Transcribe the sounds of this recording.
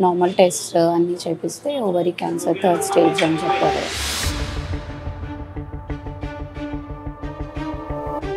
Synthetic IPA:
naːɾmɐlʈesʈɐnːit͡ʃepist̪eːɔʋɐɾikaːnsɐɾt̪ʰɐɾɖsʈeːd͡ʒd͡ʒzɐnt͡ʃɐpːoːt̪ḛ

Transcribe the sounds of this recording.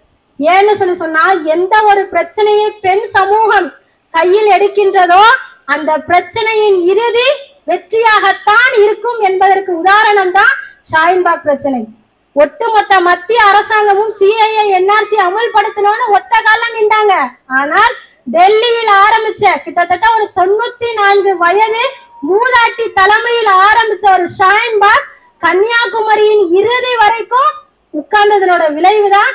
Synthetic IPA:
eːnːɯsɔnːɯsɔnːaːlɛnd̪ɐɔɾɯpɪɾɐt͡ʃːɐnɐjɐɪpɛnsɐmuːɣɐm | kɐjːɪlɛɽɯkːɪndrɐðoːɐnd̪ɐpɪɾɐt͡ʃːɐnɐjɪnɪɾɯði | ʋɛʈrɪjaːɣɐt̪ːaːnɪɾɯkːɯmɛnbɐðɐrkɯʊðaːɾɐɳɐmt̪ãːsaːjɐnbaːk̚pɪɾɐt͡ʃːɐnɐɪ | ɔʈːɯmɔt̪ːɐmɐt̪ːɪjɐːɾɐsaːŋɡɐmɯmsiːɐjɐɛnːaːɾsiɐmɐlpɐɽɯt̪ːɯnoːnːɯɔt̪ːɐkaːlɐmɪɳɖaːŋɡɐaːnaːl | d̪ɛlːɪjɪlaːɾɐmbɪt͡ʃːɐkɪʈːɐt̪ːɐʈːɐɔɾɯt̪ɔnːuːt̪ːinaːnɡɯʋɐjɐðɪl | muːðaːʈːit̪ɐlɐmɐjɪlaːɾɐmbɪt͡ʃːɐɔɾɯʂaːjɪnbaːk̚ː | ɐnːɪjaːkʊmɐɾɪjɪnɪɾɯðɐʋɐɾɐɪkːʊ̃m | ʊkːaːnd̪ɐðɪnoːɽɐʋɪlɐɪʋɯðãː

